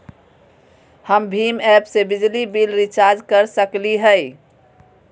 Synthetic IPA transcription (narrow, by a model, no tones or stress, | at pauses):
həmbʱimɛpsebid͡ʒlibilɾit͡ʃaɾd͡ʒkəɾsəkliɦəj